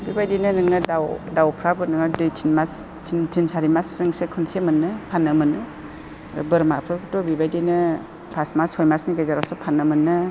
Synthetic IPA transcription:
bibajdinɯnɯŋɯdawdawkʰɾabɯnɯŋɯdɯtʰinmas | tʰintʰinsaɾimassɯŋsekʰɯnsemɯnːɯpʰanːɯmɯnɯ̰ | bɯɾmapʰɾɯkʰɯtɔbibajdinɯ | pʰasmashɔjmasniɡezaɾasɯpʰanːɯmɯnːɯ

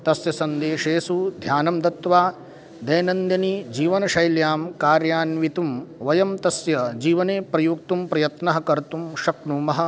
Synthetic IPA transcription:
t̪ɐsjɐsɐnd̪eːʂeːsud̪ʱjaːnɐmd̪ɐt̪ʋaː | d̪ɐjnɐnd̪jɐnid͡ʒiːʋɐnɐʃɐjljaːmkaːɾjaːnʋit̪umʋɐjɐmt̪ɐsjɐd͡ʒiːʋɐneːpɾɐjuːk̚t̪umpɾɐjɐt̪nɐɦɐ̆kɐɾt̪umʃɐknuːmɐɦɐ̆

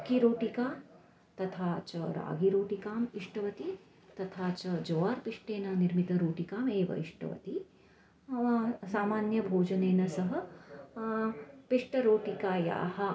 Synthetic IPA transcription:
kiɾoːʈikaː | t̪ɐt̪ʰaːt͡ʃɐɾa̰ːɡiɾoːʈikaːmɪʂʈɐʋɐt̪i | t̪ɐt̪ʰaːt͡ʃɐd͡ʒoːaːɾpɪʂʈeːnɐnɪɾmit̪ɐɾoːʈikaːmeːʋɐ̰ɪ̰ʂʈʰɐ̰ʋɐ̰t̪i | saːmaːnjɐbʱoːd͡ʒɐneːnɐsɐɦɐ̆ | pɪʂʈɐɾoːʈikaːja̰ːhɐ

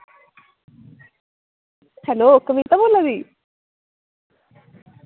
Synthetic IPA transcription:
hɐloːokːɐʋit̪ɐmunːɐd̪i

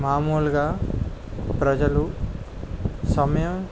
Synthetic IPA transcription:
maːmuːlɡaː | pɾɐd͡ʒɐlu | sɐmɐjɐm

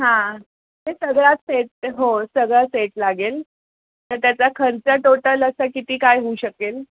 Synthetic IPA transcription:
ɦã | t̪esəɡɭat̪seʈ̚ɦosəɡɭaseʈlaɡel | t̪əɾt̪jat͡sakʰəɾt͡səʈoʈələsəkit̪iːkajɦouɕəkeːl

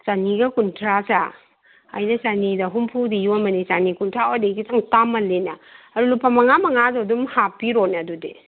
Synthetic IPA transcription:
saniɡɐkuntʰɾasa | a̰jnɐsanidɐɦumpʰudijuɐmɐnisanikuntʰɾawdeɡitaŋtamɐlenaɐɾulupʰamɐŋamɐŋazadumhapːiɾonadude

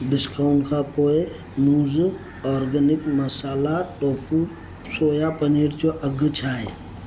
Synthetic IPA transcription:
bɪskawɳkapoːe | muːz | ɔːɾɡənɪkmɐsaːlaʈoːfʰu | soːjapəniːɾt͡ʃoʔɐɡət͡ʃʰaːe

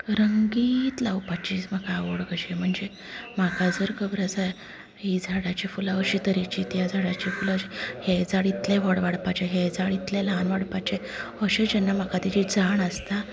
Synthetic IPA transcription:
ɾəŋɡiːt̪lawpat͡ɕiːsmakaʋoɽɡəɕem̤əɳd͡ze | m̤akad͡zəɾkəbɾəsa | ɦid͡zʱaɽat͡ɕifulaəɕit̪əɾit͡ɕit̪jad͡zʱaɽat͡ɕifulahed͡zaɽit̪lẽɦɔɽʋaɽpat͡ɕeɦed͡zaɽit̪lẽlanʋaɽpat͡ɕe | əɕẽd͡ʑənːam̤akat̪it͡ɕid͡zaɳəst̪a

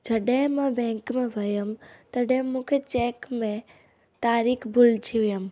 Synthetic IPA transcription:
d͡ʒɐɗɦɪ̃mɛ̃bɛ̃ːŋkmẽʋʱɐjəmt̪ɐɗɦɪ̃mũːkʰet͡ɕeːkmẽ | t̪aːɾiːkbʱʊltʰiʋijəm

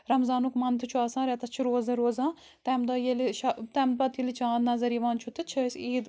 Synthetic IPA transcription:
ɾɐmzaːnukmɐnt̪ʰɨt͡ʃʰuaːsãːɾɛt̪ɐt͡ʃʰiɾoːzɐ̃ɾoːzãː | t̪ɛmd̪ɐjeliʃat̪ɛmd̪̚bɐt̪ilit͡ʃãːd̪nɐzɐɾiːʋaːnt͡ʃʰut̪ɨt͡ʃʰəsʲiːd̪

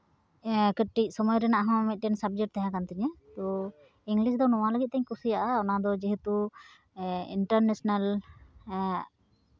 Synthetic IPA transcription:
kəʈːic̚ˀsɔmɔjɾɛnaʔɦɔ̃mit̪̚ʈɛnsab̚d͡ʒəkʈ̚t̪aɦãkant̪ɛɲɛt̪ɔ | iŋɡlisd̪ɔnɔwaləɡit̪̚t̪ɛɲkusijaʔaɔnad̪ɔd͡ʒɛɦɛt̪u | ḭɳʈəɾnesnal

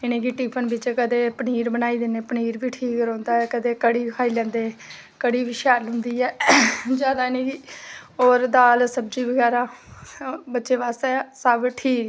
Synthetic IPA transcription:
ɪnẽːɡiːʈiːpʰənbɪt͡ʃkəd̪eːpəniːɾbənaːiːd̪ɪneːpəniːɾbiːʈʰiːkɾɔ̃ːnd̪aːɛːkəd̪eːkəɽiːkʰaːiːlɛ̃ːnd̪eː | kəɽiːʋiʃaːlɦʊ̃nd̪iːɛːd͡ʒjaːd̪aːɪnẽːkiːoːɾd̪aːlsəbd͡ʒiːbəɡɛːɾaː | bətːʃeːaːst̪ɛːsəbʈʰiːk

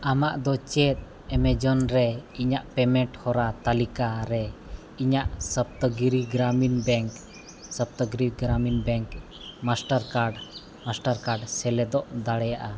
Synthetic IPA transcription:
amaʔd̪ɔt͡ʃɛt̪̚ˀ | ɛmɛd͡ʒɔnɾɛiɲaʔpɛmɛ̃ɳʈhɔɾat̪alikaɾɛ | iɲaʔsəp̚t̪əɡiɾiɡɾaminbɛŋk | səp̚t̪əɡɾiɡɾaminbɛŋk | masʈaɾkaɖ | masʈaɾkaɖsɛlɛd̪ɔʔd̪aɽɛjaʔa

